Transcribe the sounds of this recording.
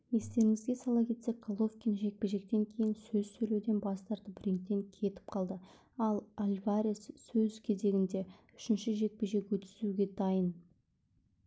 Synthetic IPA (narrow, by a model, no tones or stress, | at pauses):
e̞st̪e̞ɾɪŋɪzɡʲe̞sɑlˠɑkʲʰe̞t̪sek̚qolˠo̞fkʲinʒe̞k̚pe̞ʒe̞k̚t̪e̞ŋkʲʰe̞jɪnsɵzsɵjled̪e̞nbɑst̪ɑɾt̪əbɪɾeŋk̚t̪e̞ŋkʲʰe̞t̪ɪ̥p̚qʰɑlˠd̪ə | ɑlˠalʲvaɾʲessɵzkʲʰe̞ze̞ɡʲɪnd̪e̞ | ʏ̥ʃɪnʃɪʒe̞k̚pe̞ʒe̞kwɵt̪ɪzuɡʲe̞d̪ɑjən